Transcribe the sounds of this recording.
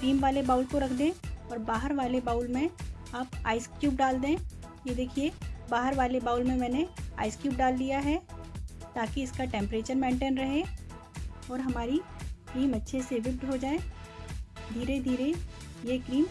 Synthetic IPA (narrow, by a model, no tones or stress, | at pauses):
kɾiːmʋaːlebaːʊlkoɾɐkʰd̪ẽɔːɾbaːɦəɾʋaːlebaːʊlmẽaːpaːɪskjuːp̚ɖaːld̪ẽjed̪eːkʰiebaːɦəɾʋaːlebaːʊlmẽmɛːnea̰ːɪskjuːp̚ɖaːld̪ijaɦɛ | t̪aːkiɪskaʈɛ̃ːmpɾeːt͡ʃəɾmɛ̃ːɳʈeːnɾɐɦe | ɔːɾɦɐmaːɾikɾiːmɐtːʃʰeseʋɪp̚ʈɦod͡ʒaːe | d̪ʱiːɾed̪ʱiːɾejeːkɾiːm